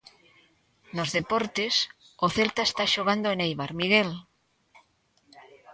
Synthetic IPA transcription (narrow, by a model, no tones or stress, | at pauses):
nozðepoɾt̪es | oθelt̪aest̪aʃoɣ̞and̪oenejβaɾmiɣ̞el